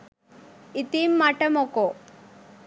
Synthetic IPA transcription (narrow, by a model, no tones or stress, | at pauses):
it̪imːaʈɐmoko